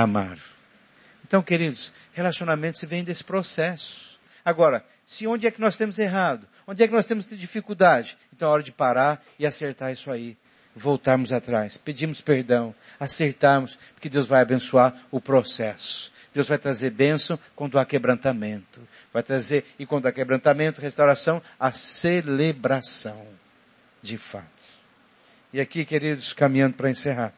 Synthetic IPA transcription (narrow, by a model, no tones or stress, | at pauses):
ama̰ɾ | ẽnt̪ɐ̃w̃keɾid̪ʊs | helasionamẽnt̪ʊ̥sɪvẽj̃d̪esɪ̥pɾosɛsʊ̥ | aɡɔɾɐ | sɪõd͡ʒɪɛkɪnɔst̪ẽmʊzeɦad̪ʊ | õnd͡ʒɪɛkɪnɔst̪ẽmʊst̪ed͡ʒifikuwd̪ad͡ʒɪẽnt̪ɐ̃w̃ɔɾɐd͡ʒɪpaɾaɾ | ɪaseɾt̪aɾisʊai | vowt̪aɾmʊzat̪ɾajsped͡ʒĩmʊspeɾd̪ɐ̃w̃ | aseɾt̪aɾmʊspoɾkɪd̪ewzvajabẽsuaɾʊpɾosɛsʊ̥ | d̪̥ewzvajt̪ɾazeɾbẽsɐ̃w̃kwɐ̃nd̪ʊakebɾɐ̃nt̪amẽnt̪ʊ̥ | vajt̪ɾazeɾɪkwɐ̃nd̪ʊakebɾɐ̃nt̪amẽnt̪ʊhest̪awɾasɐ̃w̃aselebɾasɐ̃w̃ | d͡ʒɪfa̰t̪ʊ̥ | ɪakikeɾid̪ʊskamĩɲɐ̃nd̪ʊpɾɐẽseɦaɾ